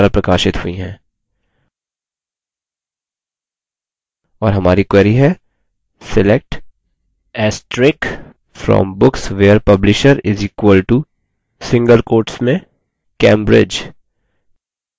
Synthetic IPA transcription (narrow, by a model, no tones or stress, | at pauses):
ɾapɾɐkaːʃɪt̪hʊiɦɛ̃ː | ɔːɾɦɐmaːɾikwɛːɾiɦɛ | sɪlek̚ʈ | ɛːsʈɾɪk | fɾɔ̰ːmbʊksʋeːəɾpɐblɪʃəɾɪziːkwəlʈu | sɪ̃ŋɡəlkoːɾʈsmẽ | kɛ̃ːmbɾɪ̰d͡ʒ